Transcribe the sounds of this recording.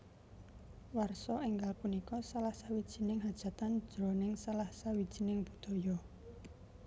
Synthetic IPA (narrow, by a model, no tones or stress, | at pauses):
warsɔʔiŋɡalpunikɔsalahsawid̥ʒ̥i̤nɪŋɦad̥ʒ̥ä̤t̪and̥ʒ̥ɾɔnɪŋsalahsawid̥ʒ̥i̤nɪŋb̥ṳd̪̥ɔ̤jɔ